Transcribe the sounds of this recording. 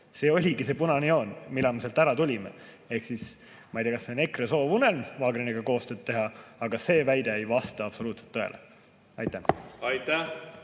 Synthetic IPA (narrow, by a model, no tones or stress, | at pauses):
se̞ːo̞lʲiɡise̞punɑnio̞ːnmilːɑmeselt̪æɾɑt̪ulʲimḛ | e̞hksis | mɑijd̪iːɑkɑsːene̞kreso̞ːvunelnvɑːɡɾeniɡ̥ɑko̞ːst̪ø̞ːd̪̚t̪e̞ɦɑɑɡ̥ɑse̞ːvæjd̪eejvɑst̪ɑɑb̥so̞luːt̪set̪ːˑɤḛlʔḛ | ɑjt̪ːˑæhɑjt̪æ